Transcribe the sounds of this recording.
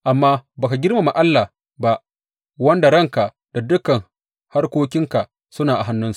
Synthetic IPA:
ʔa˨mːaː˦baː˨ka˨ɡʲɪ˦rma˨ma˨ʔa˦lːa˨ | ba˦ʔ | wɐ˦nda˨ɽɐ˦˨ŋka˨ | d̥a˨dʊ˦kɐ˨ŋ | ha˦rkʷoː˦kʲɪ˦ŋka˨ | sʊ˦naː˨ʔa˨ɦa˦nːʊ˦nsu̥˨ʔ

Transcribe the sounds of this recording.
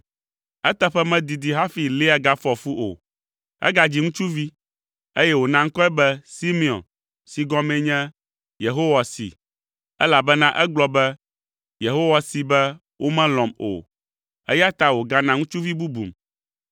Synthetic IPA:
ɛ˦t̪ɛ˦ɸɛ˦mɛ̃˦d̪i˨d̪i˨ɦa˦fi˨li˦a˨ɡa˦fɔ˨fu˦ʔo̰˨ | ɛ̰˦ɡa˨d͡ʑi˦ŋũ˦t͡ʃu˦vi˦ | e˦jɛ˦wo˨nã˦ŋ̩˦kɔ˦ɛ˦bɛ˦si˦mi˨ɔ̰̃˨n | si˨ɡɔ̃˦mɛ̃˦ɲɛ̃˦ | je˨ɦo˦wa˨sḭ˨ | ɛ˦la˨bɛ˦nã˦ʔɛ˦ɡ͡blɔ˦bɛ˦ | je˨ɦo˦wa˨si˨bɛ˦ | wʔo˦mɛ̃˦lɔ̃˨mo̰˨ | ɛ̰˦ja˦t̪a˦wo˨ɡa˦nã˦ŋũ˦t͡ʃu˦vi˦bu˦bṵ˨m

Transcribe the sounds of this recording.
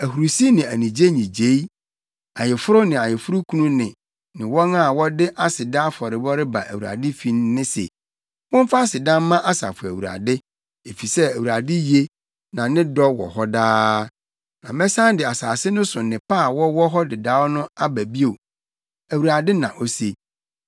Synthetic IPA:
æ˨ɦu˨ɾu˨si˦nɪ̃˨æ˨nĩ˨d͡ʑe˦ɲĩ˨d͡ʑe˦i˦ | a˨jɪ˨fʊ˦ɾʊ˦nɪ̃˨a˨jɪ˨fʊ˦ɾʊ˦kʰũ˦nũ˦nɪ̃˨ | nɪ̃˨wɔ˦nã˦˨wɔ˦dɪ˦ʔa˦sɪ˨dã˦fɔ˨ɾɪ˨bɔ˦ɾɪ˦ba̰˨ʔæ̰˨wu˨a̰˨dɪ˦fi˨n˦nɪ̃˦sɛ̰˨ | wʊ̃˦m˦fa˦sɪ˨dã˦m˦mã˦ʔa˦sa̰˨fʊ˨æ̰˨wu˨ɾa̰˨dɪ˦ | e˨fi˨sɛ˦æ˨wu˨ɾa˨dɪ˦je˦ | nã˨nɪ̃˦dɔ˦wɔ̰˨hɔ˦daː˦ | nã˨mɛ̃˦sã˦n˦dɪ˨a˨saː˨sɪ˦nʊ̃˦sʊ˨nɪ̃˨pʰaː˦˨wɔ˦wɔ˦ɦɔ˦dɪ˨da˦wɔ˦nʊ̃˦a˦bæ˨bi˦o˨ | æ˨wu˨ɾa˨dɪ˦nã̰˨ʔo˦se˦

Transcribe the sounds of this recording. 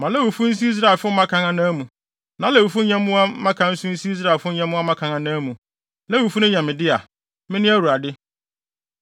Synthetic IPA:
mã˨lɛ˦wu˨fu˦n̩˦s̬i˦i˦s̬ɾa˨e˨lfʊ˦m̩˦mã˦kʰã˨ŋã˦nã˦mũ˨ | nã˨˦lɛ˨wu˨fu˦ɲã˦mːʊ̃˦a˦mã˦kʰã˨n̩˦sʊ̃˦n̩˦si˦i˦s̬ɾa˨fʊ˦ɲã˦mʊ̃˦a˦mã˦kʰã˨ŋã˨nãː˦mũ˨ | lɛ˦wu˨fu˦nʊ̃˦ɲɛ̃˨mɪ̃˨dɪ˦a˨ | mɪ̃˦nɪ̃˦æ˦wu˨ɾa˨dɪ˦

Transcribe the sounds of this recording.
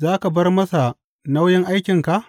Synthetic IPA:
zaː˦ka˨bɐ˦rmɐ˦sa˨ | na˦wjɪ˦ŋʔa˦jkʲɪ˨ŋka˨ʔ

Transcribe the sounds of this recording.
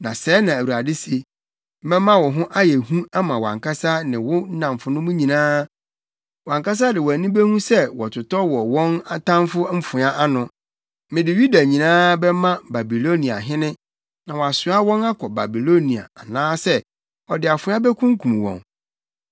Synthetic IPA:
nã˨sɛː˨˦nã˨æ˨wu˨ɾa˨dɪ˦se˦ | m̩˦mɛ̃˦mã˦wɔ̃˨ɦʊ̃˦ʔa˦jɛ˨hũ˦a˦mã˨wã̰˨ŋka˦sa˦nɪ̃˨wʊ˦n̩˦nã˨mfʊ˨nʊ̃˦mʊ̃˦ɲĩ˨nãː˦ | wã˨ŋka˦s̬a˦dɪ˨wɔ˨æ˨nĩ˦be˦hũ˦sɛ˦wɔ˨tʰʊ˨tɔ˦wɔ˨wɔ̃˦na˦tʰã˦mfʊ˦m̩˦fʊ̃˨˦a˦ʔa˦nʊ̃˨ | mɪ̃˨dɪ˨ju˦da˨ɲĩ˨nãː˦bɛ˦mã˦ba˨bi˨lo˦nĩ˨a̰˨ɦɪ̃˦nɪ̃˦ | nã˨wɔ˨a˨sʊ˨˦a˦wɔ̃˦na˦kʰɔ˨ba˨bi˨lo˦nĩ˨a̰˨a˨nãː˦sɛ˦ | ɔ˨dɪ˨a˨fʊ̃˨˦a˦bɛ˦kʰʊ̃˦ŋ̩˦kʰũ˨m˨wɔ̰̃˨n

